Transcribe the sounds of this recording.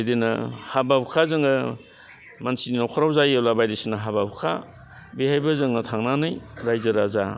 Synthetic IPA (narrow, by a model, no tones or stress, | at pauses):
jdenɐ̰hababkʰazɯŋɯ | mansininɔkʰɔɾawzajewlabajdesinaɦababkʰa̰ | behajbɐzɯŋnɐtʰaŋnanɯjɾajzɐɾaza̰